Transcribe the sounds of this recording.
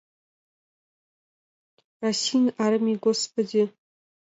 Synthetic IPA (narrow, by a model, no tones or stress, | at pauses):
asinaɾɨmiɡʷospʰʼɨdi